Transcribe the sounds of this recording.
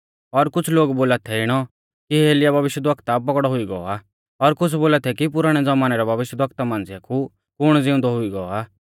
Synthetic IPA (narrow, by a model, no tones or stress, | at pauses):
ɔɾkʊt͡sʰloːɡboːlat̪ʰɛɪɽ̃ɔ | kiɦeːlɪjabʱɐʋɪʃjəd̪ʋəkt̪apɔkɽɔɦʊiɡɔɔ̰aː | ɔɾkʊt͡sʰboːlat̪ʰɛkip̬ʊɾaːɽ̃ɛd͡zɐmaːnɛɾɛbʱɐʋɪʃjəd̪ʋɐkt̪amãːnd͡zɪjakʰu | kʊɽ̃d͡zɪ̃ʊ̃nd̪ɔɦʊiɡɔɔaː